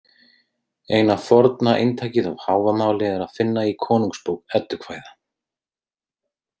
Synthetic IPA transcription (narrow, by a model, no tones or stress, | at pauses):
ejnafɔɾt̪naʔḛjnt̪ʰaːjcɪða̰whaːwvamaːwlɪɛɛɾaðfɪnːaikʰɔːnuŋkspoːwk̚ɛt̪ːʏ̥kʰvaːjða